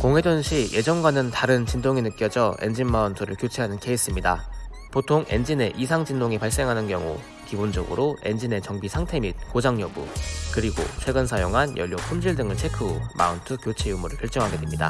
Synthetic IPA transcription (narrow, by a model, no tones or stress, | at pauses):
koŋɦe̞donɕʰije̞d͡ʑʌnɡwanɯntaɾɯnt͡ɕindoŋinɯk͈jʌd͡ʑʌe̞̰nd͡ʑinmantʰoɾɯɭkjot͡ɕʰeɦanɯnke̞is͈ɯmɲida | potʰoŋe̞nd͡ʑine̞ʔisʰaŋd͡ʑindoŋipaɭs͈e̞ŋɦanɯnkjʌŋṵ | kibond͡ʑʌɡɯ̰ɾoe̞nd͡ʑine̞t͡ɕʌŋbisʰaŋtʰe̞mit̚kod͡ʑaŋɲʌbṵkɯɾiɡo̰t͡ɕʰwe̞ɡɯnsʰajoŋɦanjʌ̰ʎːokʰumd͡ʑiɭdɯŋɯɭt͡ɕʰe̞kʰɯoma̰untʰɯkjot͡ɕʰeumuɾɯɭkjʌɭt͡ɕ͈ʌŋɦaɡe̞dwemɲida̰